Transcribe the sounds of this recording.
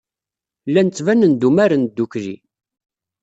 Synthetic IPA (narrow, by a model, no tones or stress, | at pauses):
lːænt͡sːvænənd̪umæɾənd̪ːukɾḭ